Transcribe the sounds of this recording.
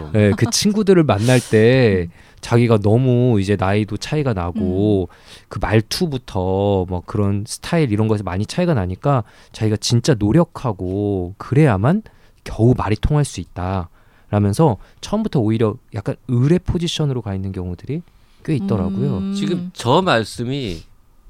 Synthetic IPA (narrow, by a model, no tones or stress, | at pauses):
je̞kɯt͡ɕʰinɡudɯɾɯɭmanːaɭt͈e̞ | t͡ɕaɡiɡanʌmuid͡ʑe̞naidot͡ɕʰaiɡanaɡo | kɯmaɭtʰubutʰʌmwakkɯɾʌnsʰɯ̥tʰaiɾiɾʌnɡʌsʰɭmaɲit͡ɕʰaiɡanaɲik͈a | t͡ɕaɡiɡat͡ɕint͡ɕ͈anoɾjʌkʰaɡokɯɾe̞jaman | kjʌumaɾitʰoŋɦaɭs͈uit̚t͈a | ɾamjʌnsʰʌt͡ɕʰʌʌmbutʰʌoiɾjʌjak͈anɯɾe̞pʰod͡ʑiɕʰʌnɯɾokainːɯnkjʌŋudɯɾi | k͈eit̚t͈ʌɾa̰ɡojot͡ɕiɡɯmt͡ɕʌmaɭs͈ɯmi